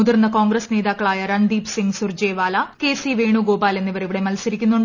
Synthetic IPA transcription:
uðurnːɐko̞ːŋɡɾɐsneːðaːkːɐɭaːjɐɾɐɳɖ̪iːpsiŋsurd͡ʑeːʋaːlɐke̞ːsiʋe̞ːɳuɡo̞ːbaːle̞nːiʋɐriʋiɽemɐlsɐɾikʲːunːuɳɖ

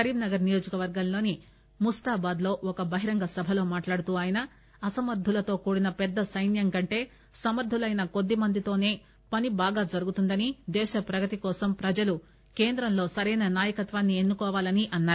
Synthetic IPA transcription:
ɐɾiːbnɐɡɐɾnijo̞ːd͡ʒɐkɐʋɐɾɡɐmlo̞ːni | must̪aːbaːd̪lo̞ːʔɔkɐbɐɦiɾɐŋɡɐsɐbʱɐlo̞ːmaːʈlaːɽut̪uːaːjɐnɐ | ɐsɐmɐɾd̪ʱulɐt̪o̞ːkuːɽinɐpɛd̪ːɐsɐjnjɐŋkɐɳʈe̞ː | sɐmɐɾd̪ʱulɐjnɐko̞d̪ːimɐnd̪it̪o̞ːne̞ː | pɐnibaːɡaːd͡ʒɐɾuɡut̪und̪ɐnid̪ɛːʃɐpɾɐɡɐt̪ikɔːsɐmpɾɐd͡ʒɐlu | ke̞ːnd̪ɾɐmlo̞ːsɐɾɐjnɐnaːjɐkɐt̪ʋaːnːie̞nːukɔːʋaːlɐniʔɐnːaːɾu

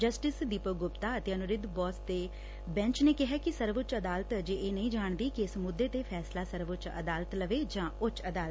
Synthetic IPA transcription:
d͡ʒəsʈɪsd̪iːpəɡʊpt̪aːət̪eːənʊɾɪd̪bɔːsd̪eː | bɛ̃ɲt͡ʃneːkɪɦaːkɪsəɾʋʊt͡ʃəd̪aːlt̪d͡ʒeːeːnəĩːd͡ʒaːɳd̪iːkiɪsmʊd̪ːeːt̪eːpʰɛːslaːsəɾʋʊt͡ʃə̰d̪aːlət̪ləʋeːd͡ʒãːʊt͡ʃəd̪aːl

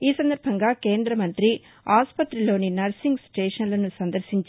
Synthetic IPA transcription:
iːsɐnd̪ɐɾbʱɐŋɡaːke̞ːnd̪ɾɐmɐnt̪ɾi | aːspɐt̪ɾilo̞ːninɐɾsiŋɡsʈeːʂɐnlɐnusɐnd̪ɐɾʃiɲt͡ʃ

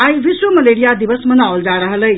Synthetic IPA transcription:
ajʋiswəməleɽijad̪iʋəsmənawld͡zaɾəɦələj

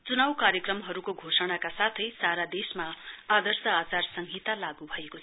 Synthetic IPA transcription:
t͡sunawkaɾjʌkrʌmɦʌɾukoɡʱosʌɽ̃akasat̪ʰʌjsaɾad̪esmaad̪ʌrsʌat͡sarsʌŋɡʱit̪alaɡubʱʌekot͡sʰ

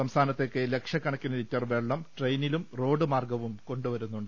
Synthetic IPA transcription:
sɐmst̪ʰaːnɐt̪ːekːele̞kʂjɐkːɐɳɐkʲːunɐɾitːɐrʋe̞ːɭːɐmʈrejnilumro̞ːɖɨmaːrɡɐʋumko̞ɳɖuʋɐɾunːuɳɖɨ

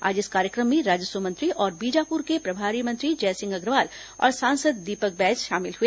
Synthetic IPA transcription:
a̰ːd͡ʒɪskaːɾjəkɾəmːẽɾaːd͡ʒəswəmɐ̃nt̪ɾiʔɔːɾbiːd͡ʒaːpʊɾkepɾɐbʱaːɾimɐ̃nt̪ɾid͡ʒɛːsɪ̃ŋɡɐɡɾʋaːlɔ̰ːɾsãːnsəd̪ːiːpək̚bɛːd͡ʒʃaːmɪlɦue

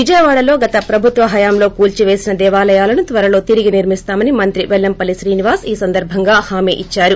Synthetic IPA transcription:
ʋid͡ʒɐjɐʋaːɽɐlo̞ːɡɐt̪ɐpɾɐbʱut̪ʋɐɦɐjaːmlo̞ːkuːlt͡ʃiʋe̞ːsinɐd̪ɛːʋaːlɐjaːlɐnut̪ʋɐɾɐlo̞ːt̪iɾiɡiniɾmist̪aːmɐnimɐnt̪ɾiʋɛlːɐmpɐliʃɾiːniʋaːsiːsɐnd̪ɐɾbʱɐŋɡaːhaːmḛːʔit͡ʃːaːɾu

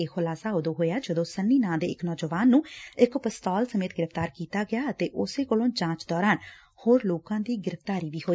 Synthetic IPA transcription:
eːxʊlaːsaːʊd̪oːɦoːjaːd͡ʒəd̪õːsənːiːnãːd̪ḛːɪknɔːd͡ʒəʋaːnːũːɪkpəst̪ɔːlsəmeːt̪ɡɪɾəft̪aːɾkiːt̪aːɡɪjaːət̪eːʔʊseːkolõːt͡ʃãːt͡ʃd̪ɔːɾaːn | hoːɾloːkãːd̪iːɡɪɾəft̪aːɾiːʋiːɦoːiː

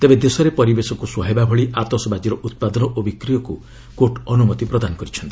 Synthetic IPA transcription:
t̪ebed̪esɔɾepɔɾibesɔkuswɔɦebabʱɔɭiʔat̪ɔsɔbad͡ʒiɾɔʔut̪̚pad̪ɔnɔʔobikɾijɔku | koʈɔnumɔt̪ipɾɔd̪anɔkɔɾit͡ʃʰɔnt̪i̥

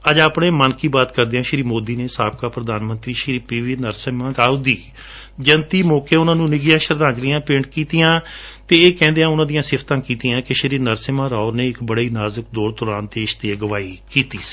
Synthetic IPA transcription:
əd͡ʒaːpɳeːmənkiːbaːt̪kəɾd̪eãːʃɾiːmoːd̪iːneːsaːb̚kaːpɾəd̪aːnmə̃nt̪ɾiːʃɾiːpiːʋiːnəɾsmãːɾaːud̪iː | d͡ʒənt̪iːmoːkeːʊnãːnũːnɪɡɪjãːʃəɾd̪ãːd͡ʒɾɪjãːpɪ̃ɳɖkiːt̪ɪjãːt̪eːeːkɛ̃ːnd̪eːãːʊnãːd̪ijãːsɪpʰt̪ãːkiːt̪ijãːkɪʃəɾiːnəɾsɪmãːɾaːʊɾneːɪkbəɽeiːnaːzək̚d̪oːɾt̪ʊɾaːnt̪eːɪʃt̪eːɡəʋaːiːkiːt̪iːsi̥ː

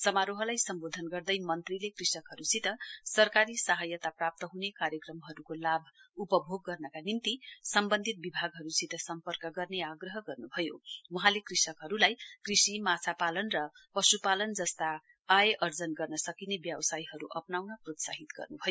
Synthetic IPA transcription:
sʌmaɾoɦʌlajsʌmbod̪ʱʌnɡʌrd̪ʌjmʌnt̪rilekrisʌkɦʌɾusit̪ʌsʌrkaɾisaɦajʌt̪aprap̚t̪ʌɦunekaɾjʌkrʌmɦʌɾukolabʱupʌbʱoɡ̚ːʌrnʌkanint̪isʌmbʌnd̪ʱit̪̚bibʱaɡɦʌɾusit̪ʌsʌmpʌrkʌɡʌrneaɡrʌɦʌɡʌrnubʱʌjowʌɦãlekrisʌkɦʌɾulajkrisimat͡sʰapalʌnrʌpʌsupalʌnd͡zʌst̪aː | jeʔʌrd͡zʌnɡʌrnʌsʌkinebjʌbsajɦʌɾuʔʌpnawnʌprot̪sa̰ɦit̪ɡʌ̰rnubʱʌjo

